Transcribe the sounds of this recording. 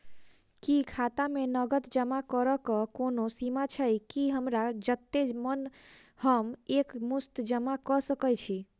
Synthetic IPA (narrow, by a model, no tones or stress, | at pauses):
kikʰat̪amenəɡət̪d͡ʒəmakəɾəkəkonosimat͡ʃʰəjkiɦəmɾad͡ʒət̪ːemənhəmekmust̪d͡ʒəmakəsəkəjt͡ʃʰi